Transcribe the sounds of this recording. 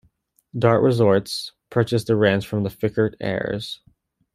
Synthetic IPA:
dɑɹʔɹɪzɔɹtspʰɜ˞t͡ʃɨsðəɹæ̃nsfɹʌ̃mðəfɪkə˞ɾɛ̰ɹz̥

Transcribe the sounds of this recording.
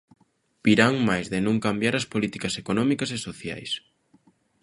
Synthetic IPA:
biɾaŋmajzðɪnũŋkambjaɾɐspolit̪ikɐsekonɔmikɐsesoθja̰js

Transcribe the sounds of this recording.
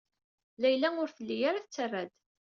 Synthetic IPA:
læjlæʊɾθəlːijaɾaθt͡sːərːæd̪

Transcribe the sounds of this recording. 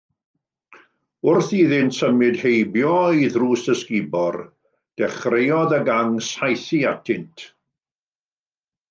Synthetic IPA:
ʊrθiðɪntsəmɨdhejbjɔiðruːsəskɪbɔr | d̥ɛχrejɔðəɡaŋsajθiatʰɪntʰ

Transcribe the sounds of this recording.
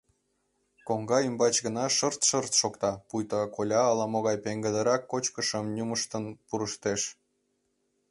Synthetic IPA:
koŋɡɑymbɑt͡ɕɡənɑʃərt̪ʃərt̪ʃokt̪ɑpujt̪ɑkolʲɑːlɑmoɣɑjpeŋɡə̆d̪ə̆ɾɑkːot͡ɕkəʃəmnʲuməʃt̪ənpuɾəʃt̪eʃ

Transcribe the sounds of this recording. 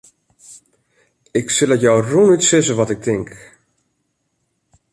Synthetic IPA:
ɪksɪlˠɛtjɔwrunytsɪzəʋɔtɪk̚tɪŋk

